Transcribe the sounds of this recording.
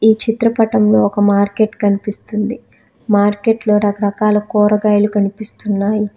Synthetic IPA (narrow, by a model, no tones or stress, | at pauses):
iːt͡ʃit̪ɾɐpɐʈɐmlo̞ːɔkɐmaːɾke̞ʈkɐnipist̪und̪i | maːɾke̞ːʈlo̞ːɾɐkɐɾɐkaːlɐkɔːɾɐɡaːjɐlukɐnipist̪unːaːji